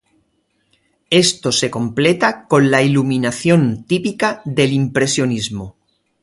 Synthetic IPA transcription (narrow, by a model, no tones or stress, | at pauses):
e̞st̪ose̞ko̞mplet̪ako̞nlailuminaθjõ̞nt̪ipikaðe̞limpɾe̞sjo̞nizmo